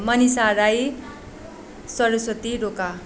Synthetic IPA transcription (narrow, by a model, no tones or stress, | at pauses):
mʌnisaɾaj | sʌɾʌsʌt̪iɾoka